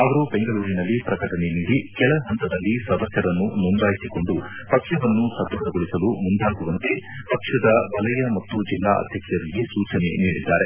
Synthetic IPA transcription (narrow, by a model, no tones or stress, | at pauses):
ɐʋɐɾube̞ŋɡɐɭuːɾinɐlːipɾɐkɐʈɐne̞niːɽikɛɭɐɦɐnt̪ɐd̪ɐlːisɐd̪ɐsjɐɾɐnːunuŋɡaːjisiko̞ɳɖu | pɐkʂɐʋɐnːusɐd̪ɐːd̪ɐɡoɭisɐlumund̪ʱaːɡuʋɐnt̪e̞pɐkʂɐd̪ɐbɐlɐjɐmɐt̪ːud͡ʒilːa̰ːɐ̰d̪ʱjɐkjɐɾiɡisuːt͡ʃɐne̞̰niːɽid̪ːa̰ːɾe̞